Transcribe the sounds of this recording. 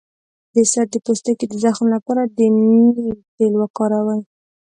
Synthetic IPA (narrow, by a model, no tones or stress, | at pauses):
d̪əsat̪̚d̪əpost̪aked̪əzaxmlapɑɾad̪əmiipelwakɑɾawəj